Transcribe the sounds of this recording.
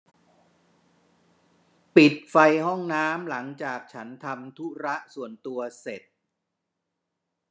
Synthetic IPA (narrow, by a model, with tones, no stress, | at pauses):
pi˨˩t̪̚fa˧jhɔ˥˩ŋnaː˦˥mla˩˦ŋt͡ɕaː˨˩k̚t͡ɕʰa˦˥nt̪ʰa˧mt̪ʰu˦˥ɾa˦˥ʔsu˨˩ənt̪u˧ɐse˨˩t̪̚